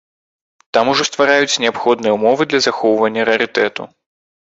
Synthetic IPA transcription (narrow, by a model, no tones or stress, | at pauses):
t̪amuʐɔst̪vaɾajut͡sʲnʲɛapxɔd̪nɨjɛumɔvɨd̪lʲɐzaxɔwvɐnʲːɐɾɛɐɾɨt̪ɛt̪ṵ